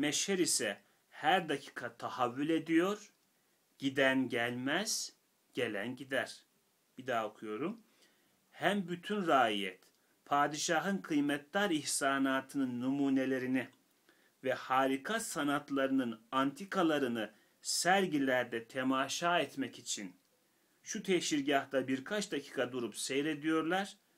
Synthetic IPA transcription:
meʃheɾisɛ | hæɾd̪acʰi̥ːkʰat̪ʰahavːylʲe̞d̪ijo̞ɾ | ɟ̥id̪ænɟælʲmæz̥ | ɟ̥e̞lʲæ̰nɟid̪æɾ̥ | b̥id̪aːokʰujo̞ɾum | hæmbyt̪ʰynɾaːijɛ̰t̪ | pʰaːd̪iʃaɦɯnkʰɯjmɛt̪d̪aɾiçsaːnaːt̪ʰɯnɯnːumuːne̞lʲe̞ɾini | vɛhaːɾikʰasanat̪ʰlˠaɾɯnɯnant̪ʰikʰalˠaɾɯnɯ | sæɾɟilʲæɾd̪ɛt̪ʰemaːʃaːɛt̪mɛcit͡ʃʰin | ʃut̪ʰeʃiɾɟaht̪abiɾkʰat͡ʃd̪acʰi̥ːkʰad̪uɾupsejɾe̞d̪ijo̞ɾlˠaɾ̥

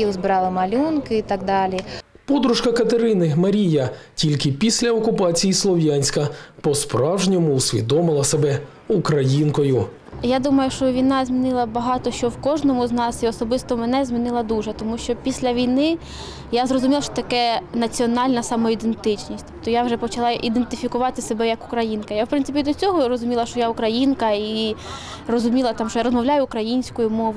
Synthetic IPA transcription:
iwzbɪɾɑlˠɪmɐlʲunkɪit̪ɑɡd̪ɑlʲipɔd̪ɾuʃkɐkɐt̪eɾɪnɪmɐɾʲijɐtʲilʲkɪpʲisʲlʲɐɔkʊpɑt͡sʲijislˠɔʋjɑnʲsʲkɐpɔspɾɑwʒnʲɔmʊːsʲʋʲḭd̪ɔmɪlˠɐsebɛ | ukɾɐjinkɔjʊ | jad̪umɐjʊʃt͡ʃɔʋʲijnɑzʲmʲinɪlˠɐbɐɦɑt̪ɔʃt͡ʃɔwkɔʒnɔmʊznɑsiɔsɔbɪst̪ɔmenɛzʲmʲinɪlˠɐd̪uʒɛt̪ɔmuʃt͡ʃɔpʲisʲlʲɐʋʲijnɪ | jazrɔzʊmʲilˠɐʃt͡ʃɔ̥t̪ɐkɛnɐt͡sʲiɔnɑlʲnɐsɑmɔid̪ent̪ɪt͡ʃnʲisʲt̪ɔpt̪ɔjawʒɛpɔt͡ʃɐlˠɑʔid̪ent̪ɪfʲikʊʋɑt̪ɪsebɛjɐkʊ̥kɾɐjinkɐjawpɾɪnɪpʲid̪ɔt͡sʲɔɦɔɾɔzʊmʲilˠɐʃt͡ʃɔjaʊkɾɐjinkɐi | rɔzʊmʲilˠɐt̪ɑmʃt͡ʃɔjaɾɔzmɐwlʲajʊːkɾɐjinʲsʲkɔjʊmɔʋ

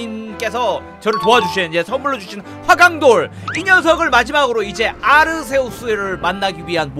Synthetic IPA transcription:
ink͈e̞sʰʌ | t͡ɕʌɾɯɭtoad͡ʑuɕʰind͡ʑe̞sʰʌmuɭːod͡ʑuɕʰin | ɸwaɡaŋdoɭ | iɲʌns̬ʰʌɡɯɭmad͡ʑimaɡɯɾoid͡ʑe̞aɾɯs̬ʰe̞os͈ueɾɯɭmanːaɡiɥiɦanm

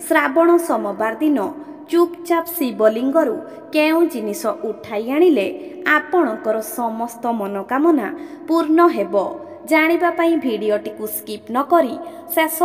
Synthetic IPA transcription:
sɾabɔɽ̃ɔsɔmɔbaɾd̪inɔ | t͡ʃupt͡ʃapsibɔliŋɡɔɾu | keũd͡ʒinisɔʔuʈʰajaɽ̃ileapɔɽ̃ɔŋkɔɾɔsɔmɔst̪ɔmɔnɔkamɔna̰puɾɳɔɦebɔ | d͡ʒaɽ̃ibapaĩbʱiɽioʈikuskipnɔkɔɾi | sesɔ

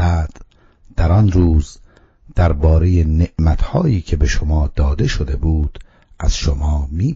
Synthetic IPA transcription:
æːd̪̥ | d̪̥æɾɒnɾuːz | d̪̥æɾbɒːɾe̞jene̞ʔmæt̪ʰhɒːjiːcʰe̞be̞ʃomɒːd̪̥ɒːd̪e̞ʃod̪e̞buːd̪̥ | ʔæ̰z̥ʃomɒːmiː

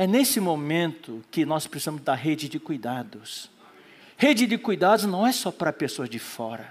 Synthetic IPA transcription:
ɛnesɪmomẽnt̪ʊkɪnɔspɾɪsizɐ̃mʊzd̪aɾɦed͡ʒɪd͡ʒɪkujd̪ad̪ʊs | hed͡ʒɪd͡ʒɪkujd̪ad̪ʊznɐ̃w̃ɛsɔpɾɐpesoɐzd͡ʒɪfɔɾɐ

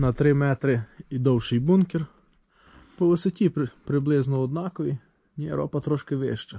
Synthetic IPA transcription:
nɐt̪ɾɪmɛt̪ɾɪid̪ɔwʃɪjbunkʲɛr | pɔʋɪsɔtʲippɾɪblˠɪznɔɔd̪nɑkɔʋʲi | nʲiɾɔ̰pɐt̪ɾɔʃkɪʋɪ̰ʃt͡ʃɐ

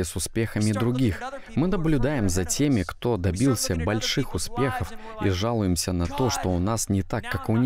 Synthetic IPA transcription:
ɪsʊspʲe̞xəmʲɪd̪ɾʊɡʲix | mɨnəblʲʊd̪ajɪmzɐtʲemʲɪkt̪o̞d̪ɐbʲilˠsʲəbɐlʲʂɨxʊspʲe̞xəf | ḭʐalˠʊjɪmsʲənɐt̪o̞ʂt̪o̞ʊnasnʲɪt̪akːakʊnʲ

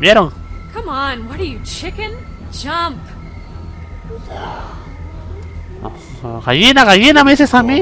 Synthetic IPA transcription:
mjɛɾoŋ | kʰʌmanwɔɾəjut͡ʃʰɪkɨ̃n | d͡ʒʌmp | kajinakajinamesesami

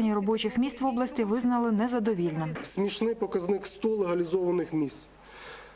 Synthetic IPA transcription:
nʲirɔbɔt͡ʃɪxmʲist̪ʋɔblˠɐsʲtʲiʋɪznɐlˠɪnɛzɐd̪ɔʋʲilʲnɪmsʲmʲiʃnɪjpɔkɐznɪkst̪ɔlˠeɦɐlʲizɔʋɐnɪxmʲist̪

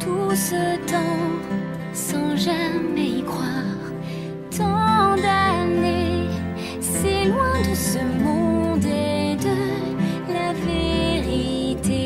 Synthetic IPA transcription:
t̪ʰusət̪ɑ̃ | sɑ̃ʒamɛikχwaʁ | t̪ʰɑ̃d̪ane | sɛlwɛ̃d̪əsəmɔ̃d̪ɛd̪ə | laveʁit̪e

